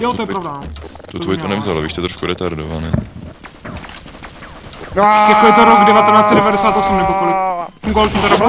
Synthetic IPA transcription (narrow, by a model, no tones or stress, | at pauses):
jot̪ojɛpɾoblɛt̪ut̪vojit̪onɛvzala̰viʃt̪ɛt̪ɾoʃkuɾɛt̪aɾdovanɛ | ɛkojɪt̪oɾoɡdɛvat̪ɛnaːt͡sɛdɛvadɛsaːt̪osumnɛpokolɪkfuŋɡovalt̪ɛt̪aɾab